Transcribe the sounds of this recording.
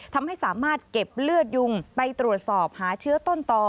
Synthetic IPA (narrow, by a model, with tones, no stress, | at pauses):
t̪ʰa˧mha˥˩jsaː˩˦maː˥˩t̪̚ke˨˩p̚lɯ˥˩ət̪̚ju˧ŋpa˧jt̪ɾu˨˩ət̪̚sɔː˨˩p̚haː˩˦t͡ɕʰɯː˦˥ət̪o˥˩nt̪ɔː˧˩